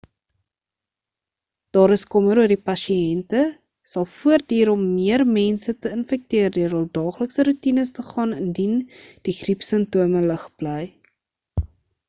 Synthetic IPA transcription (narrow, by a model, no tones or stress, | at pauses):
d̥ɑːɾəskɔməɾuərdipɐʃiɛntə | sɐlˠfuərdiːɾɔmːiərmɛnsətəənfɛk̚tiərdøəɾəlˠdɑːχləksəɾutinəstəχɑːnəndind̥iχripsəntuəmələχb̥ləj